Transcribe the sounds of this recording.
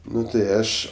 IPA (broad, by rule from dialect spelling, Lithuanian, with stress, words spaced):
ˈnʊ tɐɪ ˈɐʃ